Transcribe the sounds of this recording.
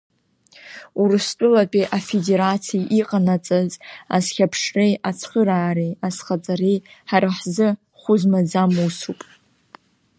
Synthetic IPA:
uɾɨstʼʊlapʼiʔafedeɾat͡sʰijʔiqʼanat͡sʼaza̰zχʲapʰʂrejat͡sʰχəɾaːɾejasχat͡sʼaɾejħaɾaħzɨ | χʷʊzmad͡zamuwsupʼ

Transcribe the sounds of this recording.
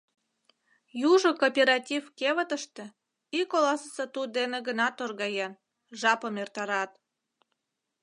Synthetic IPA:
juʒokopʲeɾɑtʲivkeβət̪əʃt̪ĕ | ikolɑsəsət̪ud̪eneɣənɑt̪orɣɑjɑn | ʒɑpəmert̪ɑɾɑt̪̚

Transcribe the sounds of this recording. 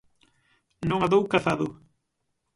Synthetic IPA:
nõŋaðowkaθaðʊ

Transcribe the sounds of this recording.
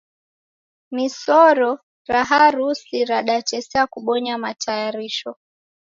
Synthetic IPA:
misɔɾɔ | ɾaɦaɾusiɾaɗat͡ʃɛsɛakuɓɔɲamatajaɾiʃɔ

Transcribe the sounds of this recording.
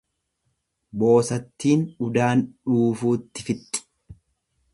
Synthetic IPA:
bo̞ːsɐt̪ːiːnᶑʊd̪aːnᶑuːfuːt̪ːɪfɪt̪ʼːɪ̥

